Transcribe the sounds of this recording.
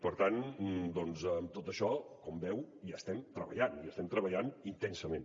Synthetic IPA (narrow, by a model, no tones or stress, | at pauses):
pəɾt̪and̪ɔnzəmt̪ot̪əʃɔkɔmbɛwjast̪ɛmt̪ɾəβə̰ʎaniəst̪ɛmt̪ɾəβəʎanint̪ɛnsəmen